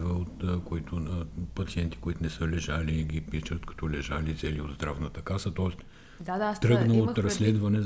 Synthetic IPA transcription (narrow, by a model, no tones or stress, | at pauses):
vəot̪koit̪ʊpɐt̪siɛnt̪i̥koit̪ʊnɛsəlɛʒaliɡʲipit͡ʃət̪kɐ̥t̪ɔlɛʒalit̪sɛliod̪zd̪ɾavnət̪əkasət̪ɔɛst̪ | t̪ɾɤɡnəot̪ɾɐssːlɛd̪vɐnɛ